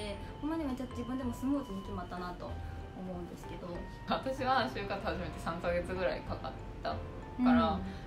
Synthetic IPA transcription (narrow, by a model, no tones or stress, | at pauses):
ehõmːaɲʲimat͡ɕaot̪ːoʑibɯ̟̃nd̪e̞mo̞sɨmɯːt͡sɨnikʲimat̪ːanat̪o̞̰ː | mo̞ɯ̟̃nd̪e̞sɨ̥ke̞d̪o̞ | βat̪aɕiβaɕɨːkat͡sɨhaʑime̞t̪e̞sãŋkaɡe̞t͡sɨɡɯ̟ɾa̰ḭkaka̰t̪ːa̰ | aɾa